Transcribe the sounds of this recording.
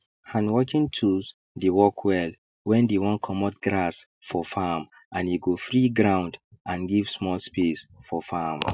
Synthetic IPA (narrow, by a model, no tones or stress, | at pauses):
hãnwɔkĩŋtʰus | dewɔkʰwɛl | wɛ̃ndewɔ̃nkʰɔmɔt̚ɡɹas | fɔfam | ʔãniɡofɹiɡɹãʊ̃nd | ãnɡiv̥smɔlspesfɔfam